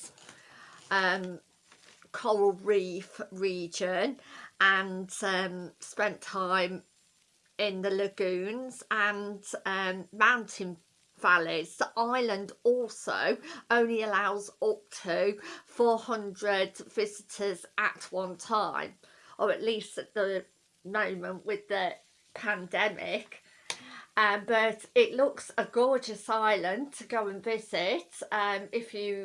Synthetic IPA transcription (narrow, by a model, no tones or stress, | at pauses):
ʌ̃m | kʰɔʊlˠɹiˑfɹiːd͡ʒə̃nʔə̃nʌ̃mspɛ̃ntʰãɪ̃m | ɪ̃nðələɡʉ̃ːnzə̃nə̃mːãʊ̃ntʰɪ̃n | v̥alɪz̥ðiʔaɪlə̃ndɔˑlˠsə̰ʊə̃ʊ̃nliəlaʊzɔˑk̚tʰəʊfɔːhʌ̃ndɹədvɪzɪtʰəzʔə̰ʔwʌ̃ntʰãɪ̃m | ʔəɹəʔliˑstəʔðə | mə̃ʊ̃mə̃nʔwɪðə | pʰãndɛmɪ̰k | ʌb̥ʌtɪʔlʊksəɡɔːd͡ʒəsaɪlə̃ntʰəɡəʊə̃nvɪz̥ɪtʌ̃mɪfjə